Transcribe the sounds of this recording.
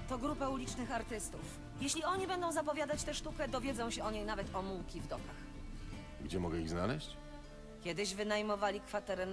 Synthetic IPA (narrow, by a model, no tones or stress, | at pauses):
t̪ɔɡɾupɛulʲit͡ʂnɘxaɾt̪ɘst̪uf | jeɕlʲiɔɲibɛnd̪ɔ̃w̃zapɔvʲjad̪at͡ɕt̪ɛʂt̪ukɛd̪ɔvʲjɛd̪zɔ̃w̃ɕɛɔɲejnavɛt̪ɔmuwkʲivd̪ɔkax | ɡd͡ʑɛmɔɡɛiɣznalɛɕt͡ɕ | kʲɛd̪ɘʑvɘnajmɔvalʲikfat̪ɛɾɛ